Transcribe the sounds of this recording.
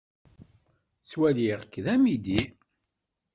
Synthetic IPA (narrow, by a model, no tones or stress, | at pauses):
t͡swæliʁkːðæmid̪i